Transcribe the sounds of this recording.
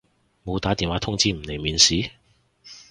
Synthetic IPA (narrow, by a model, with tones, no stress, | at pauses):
mo˨˧wt̪aː˨˥t̪iː˨˧nwaː˨˥t̪ʰʊ˥ŋt͡siː˥m̩˨˩ne˨˩jmiː˨˧nsiː˨˥